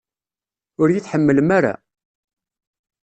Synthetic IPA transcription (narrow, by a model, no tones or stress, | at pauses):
ʊɾjiθħəmːələmaɾa̰